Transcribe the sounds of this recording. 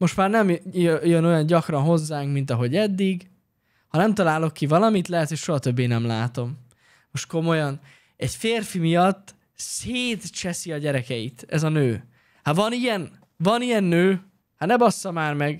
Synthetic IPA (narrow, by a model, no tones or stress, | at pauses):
mo̞ʃt̪maːrnɛmjøno̞jɒɲɟɒkrɒnɦo̞zːaːŋkmint̪ɒɦo̞ɟɛd̪ːiɡ | hɒnɛmt̪ɒlaːlo̞kːivɒlɒmit̪lɛɦɛt̪hocʃo̞ɦɒt̪ø̞bːeːnɛmlaːt̪o̞m | mo̞ʃt̪̚ko̞mo̞jɒn | ɛɟfeːrfimijɒt̪ː | seːt̪t͡ʃɛsiɒɟɛɾɛkɛjit̪ɛ̰zɒnøː | havɒnijɛn | vɒnijɛnːøː | hanɛbɒsːɒmaːrmɛɡ